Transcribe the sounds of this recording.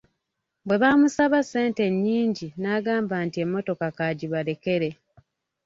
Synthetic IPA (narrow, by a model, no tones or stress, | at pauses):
bwe̞βamusaβase̞ːnte̞ɲːiːɲɟinaːɡaːmbaːntie̞mːo̞to̞kakaɟiβaɾe̞ke̞ɾe̞